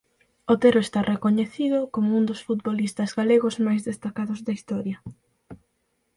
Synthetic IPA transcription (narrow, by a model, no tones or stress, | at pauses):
ot̪eɾoest̪arʔekoɲeθiðʊkomound̪osfut̪̚bolist̪ɐzɡaleɣʊzmajzðest̪akaðʊzðaist̪ɔɾjɐ